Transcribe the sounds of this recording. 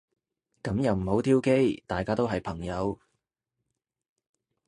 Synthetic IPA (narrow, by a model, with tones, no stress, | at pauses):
kɐ˨˥mjɐ˨wm̩˨˩ho˨˥wt̪ʰiː˥wke˥jt̪aː˨jkaː˥t̪o˥wɦɐ˨jpʰɐ˨˩ŋjɐ˨˧w